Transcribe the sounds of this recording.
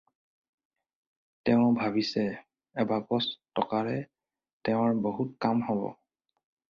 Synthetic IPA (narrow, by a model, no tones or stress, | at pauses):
tɛʊ̃bʱabisɛ | ɛbaɡɔstɔkaɹɛ | tɛʊɹboɦut̚kamhɔbɔ̰